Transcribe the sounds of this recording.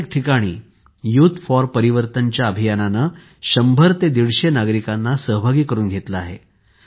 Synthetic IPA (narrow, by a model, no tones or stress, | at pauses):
k̚ʈʰikaɽ̃ḭː | juːt̪fɔɾpəɾiʋəɾt̪əɲt͡ɕjaəbʱijananə | ɕəmbʱəɾt̪ed̪iɽɕenaɡɾikanːasəɦbʱaɡiːkəɾuːnɡʱet̪laaɦḛ